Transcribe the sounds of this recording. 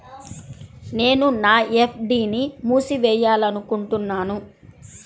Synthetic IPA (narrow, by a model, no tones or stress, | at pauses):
ne̞ːnunaːepʰɖiːnimuːsiʋɛːjaːlɐnukuɳʈunːaːnu